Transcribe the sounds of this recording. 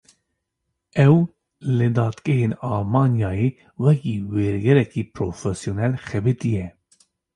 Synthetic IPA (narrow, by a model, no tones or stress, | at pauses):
ɛw | lɨd̪ɑːt̪ɡɛɦeːnɑːlmɑːnjɑːjeː | wɛkiːweːɾɡɛɾɛkiːpɾoːfɛsjoːnɛlxɛbɨt̪ijɛ